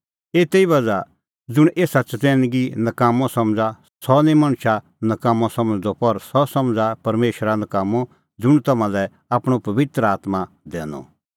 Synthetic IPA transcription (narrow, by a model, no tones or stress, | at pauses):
eːt̪eiʋɐd͡za | d͡zʊɽ̃eːsat͡ʃtɛ̃ːnɡinɐkaːmɔ̃sɐ̃md͡za | sɔnĩmɐɳ̃ʃa | nɐkaːmɔ̃sɐ̃md͡zd̪ɔpɐɾsɔsɐmd͡zapɐɾmeːʃɾanɐkaːmɔ | d͡zʊɽ̃t̪ɐmãlɛ | aːpɽ̃opɐʋɪt̪ɾaːt̪ma | d̪ɛːnɔ̰